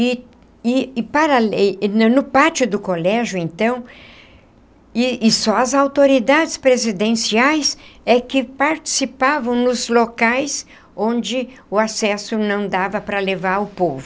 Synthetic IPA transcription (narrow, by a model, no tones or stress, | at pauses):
ɪ | ɪpaɾalnnʊpat͡ʃʊd̪ʊkolɛʒjʊẽnt̪ɐ̃w̃ | ɪɪsɔɐzawt̪oɾid̪ad͡ʒɪspɾezid̪ẽsiajsɛkɪpaɾt͡ʃi̥sipavɐ̃w̃nʊzlokajs | õnd͡ʒɪʊasɛsʊnɐ̃w̃d̪avɐpɾɐlevaɾʊpovʊ